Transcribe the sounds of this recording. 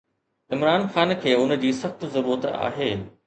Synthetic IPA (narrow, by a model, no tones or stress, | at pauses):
ɪmɾaːnxaːnkʰeːʊnə̆d͡ʑiːsɐxt̪zɐɾuːɾət̪a̰ːɦeː